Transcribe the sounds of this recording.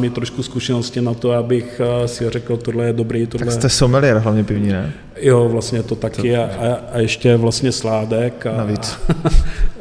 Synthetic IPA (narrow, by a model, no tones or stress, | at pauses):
mɪt̪ɾoʃkuskuʃɛnoscɪnat̪oabɪxsɪorɛkl̩t̪odlɛjɛdobɾiːt̪odalɛɛsowmɪlɪjɛɾɦlavɲɛpɪvɲiːnɛ̰ | jovlast̪ɲɛt̪ot̪akɪaaajɛʃcɛvlast̪ɲɛslaːdɛkanavit͡s